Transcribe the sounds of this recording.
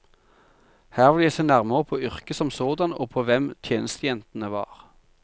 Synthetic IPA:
hæːʁʋɪljæɪsɛnæʁməʁəpʰoːʏʁkəsɔmsoːd̪ɑno̰ːpʰoːʋɛmt̪ʰjeːnəst̪əjɛnt̪n̩əʋɑ̰ːʁ

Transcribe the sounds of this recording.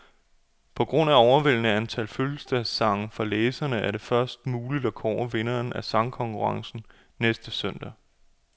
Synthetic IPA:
pʰɒ̽ɡ̥ʁɔ̽n̰æɒʊɐʋel̰nəænt͡sʰælføl̩sd̥æsːɑ̈ŋn̩fɒ̈leːsɐnəʔæɐɾe̝fɶɐsd̥muːlid̥ɒkʰɒʊ̰ɐʋe̝nɐːnæsɑ̈ŋkʰɒ̽ŋkʰuʁɑ̈ŋsn̩ | nesd̥əsøn̰d̥æ

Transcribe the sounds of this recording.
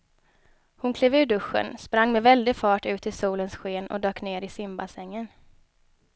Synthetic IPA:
hʊnkʰleːvʉ̟ːɖɵɧːə̰nspɾaŋːmɛvɛld̪ɪfɑːʈʉ̟ːt̪ɪlsuːlənsɧeːnɔ̰d̪øːkneːɾɪsɪmbasɛŋːən

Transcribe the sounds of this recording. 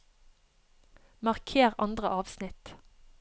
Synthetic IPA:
mɑʁkʰeːʁɑ̰nd̪ʁəʔɑːʋsnɪt̪

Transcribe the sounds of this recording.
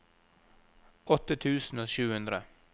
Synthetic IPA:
ɔt̪ət̪ʰʉːsn̩oːʃʉːhʉnd̪ɾə

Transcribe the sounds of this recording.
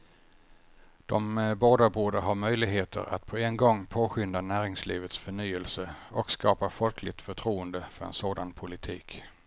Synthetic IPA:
d̪̥ɔmboːd̪abuːɖəɦaɾmœjlɪɡɦeːt̪ʰə̰ɾa̰t̪pʰɔenɡɔŋːpʰoːɧʏnd̪anæːɾɪŋsliːvət̪sfœɳyːəlsəɔkskɑːpafɔlkʰlɪɡ̚t̪fœʈʰɾuːənd̪əfœɾɛ̰nsoːd̪anpʰʊlɪt̪ʰiːk

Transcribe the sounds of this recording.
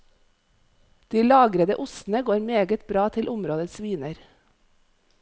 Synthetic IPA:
d̪̥iːlɑːɡɾəd̪ə̰ʔʊsn̩əɡoːɾmeːɡət̪bɾɑːt̪ʰɪlʔʊmɾoːd̪əsʋiːnəɾ

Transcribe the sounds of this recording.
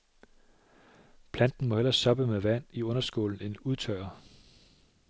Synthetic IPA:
pʰlænd̥n̩mɒ̽hel̰ɐsɒ̽b̥əmeʋæn̰iɔ̽nɐsɡ̥o̝̰ːln̩e̝nuð̞ˠt͡sʰɶɪɐ

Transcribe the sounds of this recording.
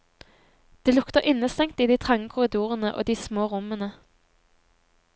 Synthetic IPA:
d̪̥eːlʊkt̪əʁʔɪnəst̪ɛŋt̪iːd̪iːt̪ʰʁɑŋəkʰʊʁɪd̪uːʁənəʔo̰ːd̪iːsmoːʁʊmənə

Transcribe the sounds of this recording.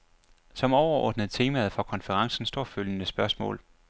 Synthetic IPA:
sɒ̽mɒʊɐɒ̰ːd̥nəð̞̩ˠt͡sʰe̝ːmæð̩ˠfɒ̽kʰɒ̽nfəʁɑ̈ŋsn̩sd̥o̝ɐ̰føljənəsb̥ɶɐsmɔ̰̽ːl

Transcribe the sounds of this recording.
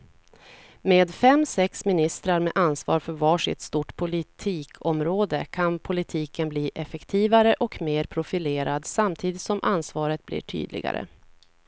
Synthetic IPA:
meːd̪fɛmːsɛksmɪnɪst̪ɾaɾmeːʔansvɑ̰ːɾfœɾvɑːʂɪt̪st̪uːʈpʰʊlɪt̪ʰiːkʰɔmɾoːd̪əkʰanpʰʊlɪt̪ʰiːkənbliːʔɛfɛkt̪ʰiːvaɾəʔɔkmeːɾpʰɾʊfɪleːɾad̪samt̪ʰiːd̪ɪt̪sɔmʔansvɑːɾət̪̚blḭːʈʰy̰ːd̪lɪ̰ɡa̰ɾə̰

